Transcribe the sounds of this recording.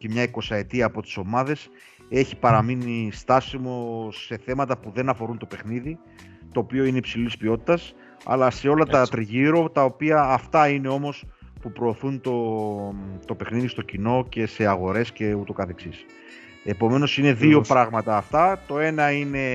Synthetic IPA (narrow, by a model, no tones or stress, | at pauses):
cemɲɐiko̞sɐe̞t̪iɐːpo̞t̪i̥so̞mɐðe̞s | e̞çi̥pɐɾɐminist̪ɐsimo̞se̞θe̞mɐt̪ɐpuðe̞nɐfo̞ɾunt̪o̞pe̞xniði | t̪o̞ːpio̞ineipsilspio̞t̪i̥t̪ɐs | ɐ̰lɐse̞o̞lɐt̪ɐt̪ɾiʝiɾo̞t̪ɐo̞piɐːft̪ɐine̞o̞mo̞spupɾo̞ːθunt̪o̞ | t̪o̞pe̞xniðist̪o̞cino̞ce̞se̞ɐɣo̞ɾe̞sce̞ut̪o̞kɐθe̞ksis | e̞po̞me̞no̞sine̞ðio̞pɾɐɣmɐt̪ɐːft̪ɐt̪o̞e̞nɐine̞